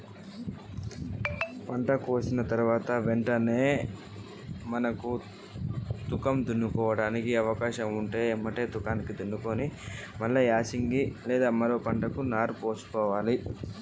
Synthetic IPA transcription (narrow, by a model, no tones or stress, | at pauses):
pɐɳʈɐkuʋɐsinɐt̪ɐɾuʋaːt̪ɐʋeɳʈɐne̞ː | mɐnɐku | t̪ukɐmd̪unːukɔːʋɐɽaːnikiɐʋɐkaːʃɐmuɳʈeːmːɐʈe̞ːt̪ukaːnikid̪unːukoːni | mɐlːɐjaːsiŋɡilɛːd̪aːmɐɾo̞ːpɐɳʈɐkunaːɾpo̞ːsu̥kɔːʋaːli